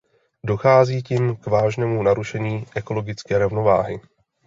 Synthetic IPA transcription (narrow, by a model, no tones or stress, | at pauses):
do̞xaːziːciːmkvaːʒnɛːmunaɾuʃɛɲiːʔɛko̞lo̞ɡɪt͡skɛːɾovno̞va̰ːɦɪ